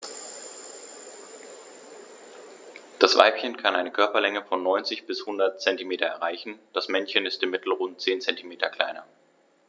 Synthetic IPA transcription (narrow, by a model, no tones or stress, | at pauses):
d̥asv̥a̰ɪpçənkʰanʔaɪnəkʰœɐpɐlɛŋəfɔnːɔʏnt͡sɪçb̥ɪshʊndɐt̚t͡sɛntimeːtɐɛ̰ʁaɪçn̩d̥asmɛnçənɪstɪmːɪtl̩ʁʊnt̚t͡seːnt͡sɛntimeːtʰɐkʰl̥a̰ɪnɐ̰